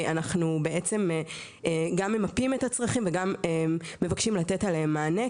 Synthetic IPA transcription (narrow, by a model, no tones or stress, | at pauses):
anaχnube̞ʔe̞t͡se̞mː | ɡamemapimetat͡sʁaχimveɡameːe̞vakʃimlate̞taleɦemːaːne